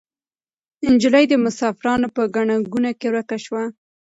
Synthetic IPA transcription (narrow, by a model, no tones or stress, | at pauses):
ɪnd͡ʒɪlajd̪əmʊsɑfɪɾɑnopəɡaɳaɡunakeɾakaʃwa